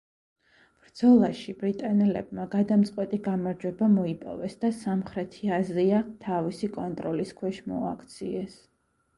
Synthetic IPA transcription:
b̥ɾd̪z̥ɔlˠaʃibɾit̪ʼanɛlɛ̰bmaɡad̪amt̪sʼqʼwɛt̪ʼiɡamaɾd͡ʒwɛbamɔipʼɔ̰vɛsd̪asamχɾɛt̪ʰiaziat̪ʰavisikʼɔnt̪ʼɾɔliskʰwɛʃmɔ̰akʰt̪sʰiɛs

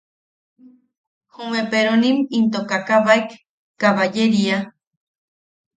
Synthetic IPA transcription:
humẽpeɾonimint̪okakaβaek | kːaβajeɾia

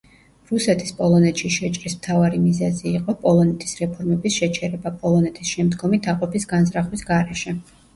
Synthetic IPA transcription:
ɾusɛt̪ʰi̥spʼɔlˠɔnɛt̪ʃiʃɛt͡ʃʼɾismt̪ʰavaɾimizɛziːqʼɔpʼɔlˠɔnɛt̪ʰi̥sɾɛpʰɔɾmɛbisʃɛt͡ʃʰɛɾɛbapʼɔlˠɔnɛt̪ʰisʃɛmd̪ɡɔmit̪ʰaqʼɔpʰisɡanzɾaχwisɡaɾɛʃɛ

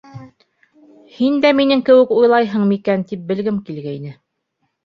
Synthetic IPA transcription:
hind̪æminɘŋkɘ̆wɘ̆kujlˠɑjɦɤɴmikænt̪ip̚bɘ̆lɡɘmkilɡæinɘ

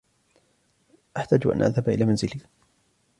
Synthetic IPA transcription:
ʔaħt̪aːd͡ʒʔa̰nʔa̰ðhabaʔɪlaːmanzɪli

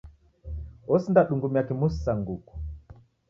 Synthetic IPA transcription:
ɔsindaɗuŋɡumiakimussaŋɡuku̥

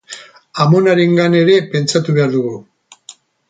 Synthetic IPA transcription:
amo̞naɾe̞ŋɡane̞ɾe̞pe̞nt͡sat̪uβe̞aɾðuɣu

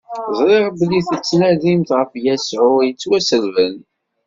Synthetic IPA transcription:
zˤɾˤeʁbliθət͡sːnæðimt̪ʁəfjæsʕʊjət͡sːwæsəlvən

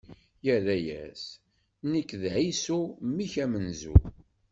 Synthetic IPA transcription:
jəɾæjæ̰s | nikːðʕisumːiçæmənzṵ

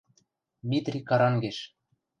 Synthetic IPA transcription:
mʲit̪rʲikɑɾɑŋɡeʃ

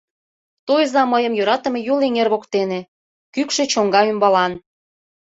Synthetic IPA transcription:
t̪ojzɑməjəmjøɾɑt̪ə̆mejuleŋerβokt̪ene | kykʃet͡ɕoŋɡɑymbɑlɑn

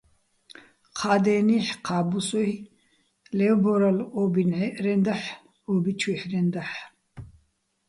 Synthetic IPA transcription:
qʰaːd̪ɛːniħqʰaːbusɔ | lɛwbɔɾɐlɔbinʕɛɾɛnd̪aħ | ɔːbit͡ʃʰwiħɾɛnd̪aħ

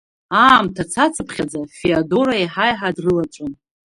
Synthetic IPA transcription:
aːmtʰat͡sʰat͡sʰɨpʰχʲad͡zafiado̞ɾaiħajħadrɨlaʈ͡ʂʷʼɨn

